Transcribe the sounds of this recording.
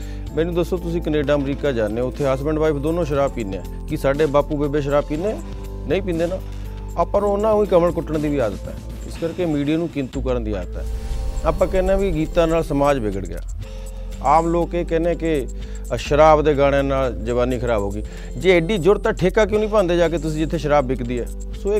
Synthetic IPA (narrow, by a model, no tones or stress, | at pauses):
mɛ̃ːnũːd̪əsːoːt̪ʊsĩːkəneːɖaːəmɾiːkaːd͡ʒaːneʊt̪ʰːeːɦaːsbɛ̃ɳɖʋaːɪpʰd̪oːnõːʃəɾaːbpiːneːɛ̰̃ːkɪsaːɖeːbaːpuːbebeːʃ̬əɾaːbpiːnẽː | nəĩːp̬ĩːnd̪eːnaː | apə̃nʊnãːũːĩːkəməlkʊʈːəɳd̪iːʋiːaːd̪ət̪ɛ̰ː | ɪskəɾkeːmiːɖijaːnũːkɪnt̪uːkəɾənd̪iːaːd̪ət̪ɦɛ̰ːaːpãːkɛːnɛ̃ːʋiːɡiːt̪ãːnaːlsəmaːd͡ʒbɪɡəɽɡɪja̰ː | aːmloːkeːkɛːnẽːɛ̃ːkɪ | ʃəɾaːbd̪eːɡaːɽ̃enaːld͡ʒəʋaːniːkʰəɾaːboːɡiː | d͡ʒeːeːɖiːd͡ʒʊɽt̪ãːʈʰeːkaːk̬jõːnĩːp̬ãːnd̪eːd͡ʒaːk̬eːt̪ʊsĩːd͡ʒɪt̪ʰːeːʃəɾaːbːɪkʰd̪iːɛː | soːe